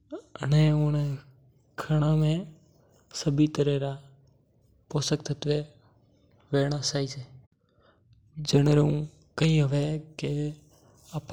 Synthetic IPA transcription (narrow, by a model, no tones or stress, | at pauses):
əneõːne | kʰəɳamẽ | səbit̪əɾeɾa | pɔːsəkt̪ʰət̪ʋe | ʋeːɳ̃ãsaːit͡ʃʰeː | d͡ʒənɾeũː | kəɦĩːɦəʋeke | ap